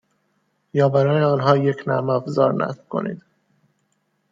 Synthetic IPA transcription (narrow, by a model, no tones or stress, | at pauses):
jɒːbæɾɒːneɒːnɦɒːjecʰnæ̰mæfzɒːɾnæ̰skʰo̞̰nʔḭːd̪̥